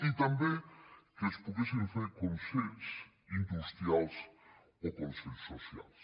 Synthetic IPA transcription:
it̪ambjeŋkespoðjesenθeɾkonseʎs | ind̪ust̪ɾjals | okonseʎsːosja̰ls

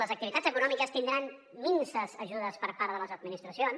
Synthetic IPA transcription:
ləzək̚t̪iβit̪ad͡zzəkunɔmikəst̪ind̪ɾan | minsəzəʒuðəspəɾpaɾðələzəd̪̚minist̪ɾəsions

